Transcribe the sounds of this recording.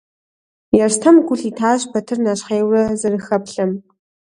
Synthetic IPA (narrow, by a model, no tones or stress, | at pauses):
jɛrstʰɐmɡʷʊɬiːtʰaːɕpʰɐtʰɨrnaɕχeːwrɐzɨrɨxɐpɬɐm